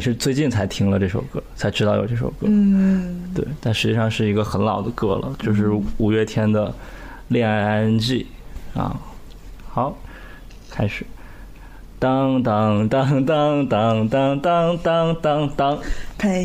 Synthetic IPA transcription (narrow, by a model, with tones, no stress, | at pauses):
ʂɻ̩˥˧t͡swe˥˧ɪt͡ɕi˥˩nt͡sʰa˧˥ɪt̪ʰi˥ŋlə˧ʈ͡ʂɤ˥˩ʂo̰˨˩ʊkɤ˥˩t͡sʰa˧˥ɪʈ͡ʂɻ̩˥t̪ɑ˥˩ʊjo̰˨˩ʈ͡ʂɤ˥˩ʂo̰˨˩ʊkɤ˥ | t̪wḛ˥˩ɪt̪a˥˩nʂɻ̩˧˥t͡ɕi˥˩ʂɑ˥˧ŋʂɻ̩˥˩i˧˥ɡə˧xə˧˥nlɑ˨˩ʊd̪ə˦kɤ˥˩lə̰˩t͡ɕjo˥˧ʊʂɻ̩˥˩u˨˩ɥɛ˥˩t̪ʰjɛ˥nd̪ə˨˩ | ljɛ˥˩a˥a˥nt͡ɕi˥˩ | ɐ̰˥˩ | xɑ˧˩˦ʊ | kʰa˥ɪʂɻ̩˨˩˦ | t̪ɑ˥ŋt̪ɑ˥ŋt̪ɑ˥ŋt̪ɑ˥ŋt̪ɑ˥ŋt̪ɑ˥ŋt̪ɑ˥ŋt̪ɑ˥ŋt̪ɑ˥ŋt̪ɑ˥ŋʰ˥˩